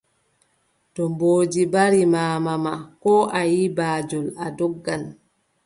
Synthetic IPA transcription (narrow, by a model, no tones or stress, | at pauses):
tɔmboːd͡ʒibaɾimaːmamakɔʔajibaːd͡ʒɔladɔɡːan